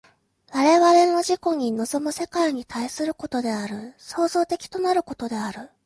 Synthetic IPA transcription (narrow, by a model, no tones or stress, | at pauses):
βaɾe̞βaɾe̞no̞ʑiko̞ɲ̟ino̞zo̞mose̞kaiɲ̟it̪aisɨɾɯ̟ko̞t̪o̞d̪e̞aɾɯ̟so̞ːzo̞ːt̪e̞kʲi̥t̪o̞naɾɯ̟ko̞t̪o̞d̪e̞aɾɯ̟